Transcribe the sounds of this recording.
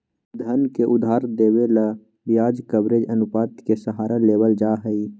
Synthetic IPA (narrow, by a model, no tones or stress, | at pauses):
d̪ʱənkeʔʊd̪ʱaːɾd̪eːwela | bijaːd͡ʒkəbɾed͡ʒənʊpaːt̪kesəɦaːɾaleːwəld͡ʒaːɦəi